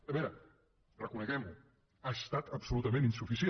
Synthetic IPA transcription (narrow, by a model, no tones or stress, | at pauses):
əβɛɾə | rəkunəɣɛmbu | ast̪at̪əpsulut̪əmẽninsufisie